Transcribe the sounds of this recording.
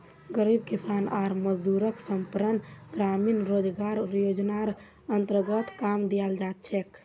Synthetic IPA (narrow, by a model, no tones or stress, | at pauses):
ɡəɾib̚kisanaɾməd͡ʒd̪uɾəksəmpɾənɡɾaminɾod͡ʒɡaɾjod͡ʒnaɾ | ənt̪əɾɡət̪kamd̪ijald͡ʒat̪̚t͡ʃʰɛk